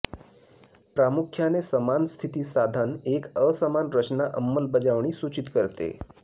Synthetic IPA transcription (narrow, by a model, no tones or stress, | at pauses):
pɾamukʰjanesəmanst̪ʰit̪iːsad̪ʱənekəsəmanɾət͡ɕnaʔəmːəlbəd͡ʑaʋɳ̃iːsut͡ɕit̪kəɾt̪ḛ